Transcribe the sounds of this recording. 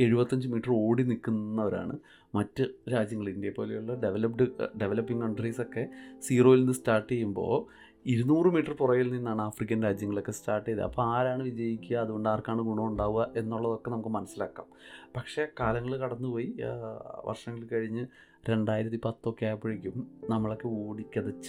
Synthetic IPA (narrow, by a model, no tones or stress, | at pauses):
e̞ɻubɐt̪ːɐɲd͡ʑɨmiːʈːɐro̞ːɽinikːunːɐʋɐɾa̰ːɳɨ | mɐtːɨɾaːd͡ʑjɐŋːɐɭindjɐpːo̞ːlejuɭːɐɖeʋelɐpɖɨɖe̞ʋelɐpːiŋkɐɳɖriso̞kːe̞siːro̞ːjilinːɨstaːrʈːejːumbo̞̰ː | iɾunuːrɨmiːʈːɐrpurɐjilninːaːɳɨaːfrik̬ʲːɐnɾaːd͡ʑjɐŋːɐɭo̞kːe̞staːrʈːijɐðɐ̰ɐ̰pːoaːɾaːɳɨʋid͡ʑɐjikʲːuɣɐːðuɣo̞ɳɖaːrkaːɳɨɡuɳoːuɳɖaːʋuɣɐʔe̞nːuɭːɐðo̞kːe̞nɐmukːɨmɐnɐsːilaːkːa̰ːmpɐkʂe̞kaːlɐŋːɐɭkɐɽɐnːɨpo̞ːji | ʋɐ̰rʂɐŋːɐɭkɐɻiɲːɨ | ɾe̞ɳɖaːjiɾɐt̪ːipɐt̪ːo̞kːejaːpːɐɻikʲːumnɐmːɐɭo̞kːe̞oːɽikʲːɐðɐt͡ɕːɨ̥